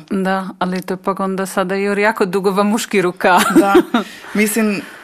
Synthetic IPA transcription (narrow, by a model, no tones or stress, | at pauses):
d̪aalit̪opakond̪asad̪aioɾjaːkod̪uɡoʋamuʃkiɾukad̪amisin